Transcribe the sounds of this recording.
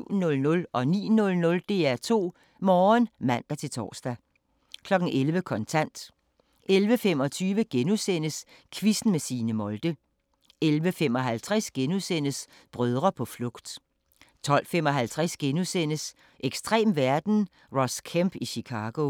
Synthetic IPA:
ʊ̰nɔ̽lnɔ̽lʔɒ̽nḭːnɔ̽lnɔ̽ld̥e̝ːæɐt͡sʰo̝̰ː | mɒːnmæn̰d̥æt͡sʰe̝lt͡sʰɒ̰ːsd̥æ | kʰlɒ̽ɡ̥n̩ʔelʋəkʰɒ̽nt͡sʰæn̰d̥ | elʋəfem̰ɒ̽t͡sʰyːʋəɡ̥enusen̰əskʰʋisn̩mesiːnəmɒ̽ld̥ə | elʋəfemɒ̽ɦælt͡sʰʁasɡ̥enusen̰əs | b̥ʁœð̞ˠʁɐpʰɒ̽flɔ̽ɡ̥d̥ | t͡sʰɒ̽l̰fem̰ɒ̽ɦælt͡sʰʁasɡ̥enusen̰əs | ʔeɡ̥sd̥ʁɛ̰ːmʋæɐd̥n̩ | ʁɒskʰæmb̥iɕikʰɑ̈ːɡ̥o̝

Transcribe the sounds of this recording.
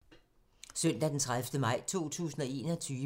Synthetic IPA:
sœn̰d̥æd̥ent͡sʰʁaðˠfd̥əmɑ̈ɪ̰t͡sʰo̝̰ːt͡sʰṵːsn̩ɒ̽e̝ːnɒt͡sʰyː

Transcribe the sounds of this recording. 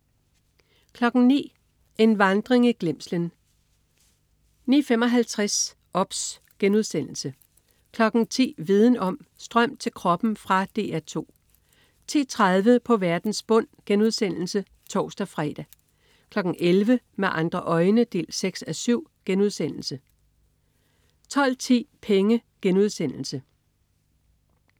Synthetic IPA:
kʰlɒ̽ɡ̥n̩nḭː | ʔe̝nʋɑ̈nd̥ʁeŋiɡ̥le̝m̰slən | nḭːfemɒ̽ɦælt͡sʰʁas | ʔɒ̽b̥s | ɡ̥enuð̞ˠsen̰l̩sə | kʰlɒ̽ɡ̥n̩t͡sʰḭːʋið̞ˠn̩ɒ̽m̰sd̥ʁɶm̰d̥̚t͡sʰe̝lkʰʁɒ̽b̥n̩fʁɑ̈d̥e̝ːæɐt͡sʰo̝̰ː | t͡sʰḭːt͡sʰʁað̞ˠʋəpʰɒ̽ʋæɐd̥n̩sb̥ɔ̽n̰ɡ̥enuð̞ˠsen̰l̩sə | t͡sʰɒ̰ːsd̥æfʁɛːd̥æ | kʰlɒ̽ɡ̥ŋ̩ʔelʋə | meʔɑ̈nd̥ʁɐʔɒ̽ɪnəd̥e̝̰ːlseɡ̥sæsyʊ̰ɡ̥enuð̞ˠsen̰l̩sə | t͡sʰɒ̽l̰t͡sʰḭːpʰeŋəɡ̥enuð̞ˠsen̰l̩sə

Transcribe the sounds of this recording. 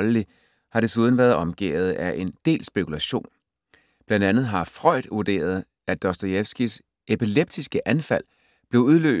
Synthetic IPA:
lli | hɑ̈ɾ̥e̝suð̞ˠn̩ʋæːɐðˠɒ̽mɡ̥ḛːð̞̩ˠæʔe̝nd̥e̝̰ːlsb̥e̝kʰulæɕo̝̰ːn | b̥lænd̥ænð̩ˠɦɑ̈fʁɒɪ̰d̥uɐd̥e̝̰ːɐð̞̩ˠ | æd̥ɒsd̥ojefsɡ̥is | ʔepʰileb̥̚d̥isɡ̥əʔænfæl̰ | b̥le̝ʊuðˠlø̰ː

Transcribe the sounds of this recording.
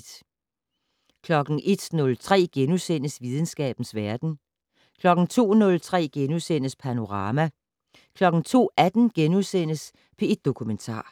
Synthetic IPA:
d̥ | kʰlɒ̽ɡ̥n̩ʔe̝d̥nɔ̽lt͡sʰʁɛ̰ːɡ̥enusen̰əsʋið̞ˠn̩sɡ̥ɛ̰ːb̥n̩sʋæɐd̥n̩ | kʰlɒ̽ɡ̥n̩t͡sʰo̝̰ːnɔ̽lt͡sʰʁɛ̰ːɡ̥enusen̰əspʰæno̝ʁɑ̈ːmæ | kʰlɒ̽ɡ̥n̩t͡sʰo̝̰ːæd̥n̩ɡ̥enusen̰əs | pʰe̝e̝d̥̚ːo̝kʰument͡sʰɑ̰̈ː

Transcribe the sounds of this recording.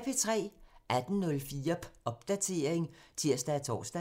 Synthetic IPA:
pʰe̝t͡sʰʁɛ̰ːʔæd̥n̩nɔ̽lfiːɐɒ̽b̥d̥æt͡sʰe̝ɐ̰eŋt͡sʰe̝ɐ̰sd̥æːt͡sʰɒ̰ːsd̥æ

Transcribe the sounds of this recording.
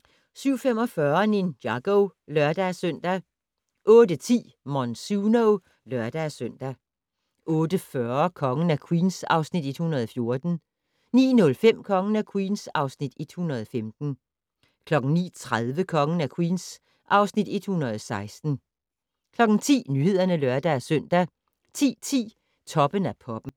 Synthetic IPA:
syʊ̰femɒ̽fɶɐninjɑ̈ɡ̥oʊlɶɐd̥æsœn̰d̥æ | ʔɔ̽ːdət͡sʰḭː | mɒnsuno | lœɐd̥æsøn̰d̥æ | ʔɔ̽ːd̥əfɶɐkʰɒ̽ŋn̩ækʰwiːnsɑ̈ʊsnid̥e̝d̥hunɐð̞̩ˠɒ̽fjo̝ɐd̥n̩ | nḭːnɔ̽lfem̰kʰɒ̽ŋn̩ækʰwiːnsɑ̈ʊsnid̥e̝d̥hunɐð̞̩ˠɒfemd̥n̩ | kʰlɒ̽ɡ̥ŋ̩nḭːt͡sʰʁaðˠʋəkʰɒ̽ŋən̩ækʰwiːns | ʔɑ̈ʊsnid̥e̝d̥hunɐð̞ˠɒsɑ̈ɪsd̥n̩ | kʰlɒ̽ɡ̥n̩t͡sʰḭːnyhe̝ð̞̰ˠɐnəlɶɐd̥ææsøn̰d̥æ | t͡sʰḭːt͡sʰḭː | t͡sʰɒ̽b̥ənæpʰɒ̽b̥m̩

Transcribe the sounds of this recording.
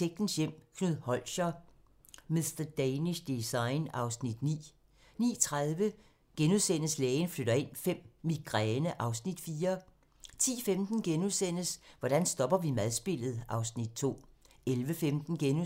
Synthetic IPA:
eɡ̥̚n̩sjem̰kʰnuð̰ˠhɒ̽l̰ɕɐ | misd̥ɐd̥eɪniɕd̥isɑ̈ɪnɑ̈ʊsnid̥nḭː | nḭːt͡sʰʁaðˠʋə | ɡ̥enuðˠsenəslɛːnfløɾɐe̝n̰fem̰ːiɡ̥ʁɛːnəʔɑ̈ʊsnid̥fiːɐ | t͡sʰḭːfemd̥n̩ɡ̥enusen̰əsʋɒɾ̥ænsd̥ɒ̽b̥ɐʋimæðˠsb̥e̝l̰ð̞̩ˠʔɑ̈ʊsnid̥̚t͡sʰo̝̰ː | elʋəfemd̥n̩ɡ̥en

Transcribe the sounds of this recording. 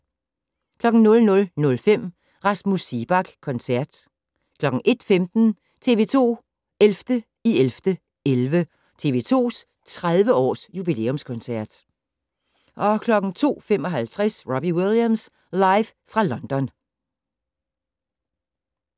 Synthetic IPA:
kʰlɒ̽ɡ̥n̩nɔ̽lnɔ̽lnɔ̽lfem̰ | ʁɑ̈smusib̥ɑ̈ɡ̥kʰɒ̽nsæɐd̥ | kʰlɒ̽ɡ̥ŋ̩ʔe̝d̥femd̥n̩ | t͡sʰe̝ːʋe̝ːt͡sʰo̝̰ː | elfd̥ə | ielfd̥ə | elʋə | t͡sʰe̝̰ːʋe̝̰ːt͡sʰo̝̰ːs | t͡sʰʁaðˠʋəɒ̰ːsjub̥ile̝̰ːɔmskʰɔ̽nsæɐd̥ | ʔɒ̽kʰlɒ̽ɡ̥n̩t͡sʰo̝̰ːfem̰ɒ̽ɦælt͡sʰʁasʁɔb̥iwilˠjæms | lɑ̈ɪʋ | fʁɑ̈lɒ̽nd̥ɒ̽n

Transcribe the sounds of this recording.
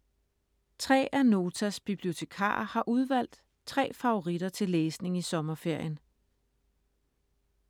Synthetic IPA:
t͡sʰʁɛ̰ːʔæno̝ːt͡sʰæsb̥ib̥lio̝t͡sʰe̝kʰɑ̰̈ːɐhɑ̈ʔuð̞ˠʋæl̰d̥ | t͡sʰʁɛ̰ːfɑ̈o̝ʁid̥ɐt͡sʰe̝leːsne̝ŋisɒ̽mɐfe̝ɐ̰jən

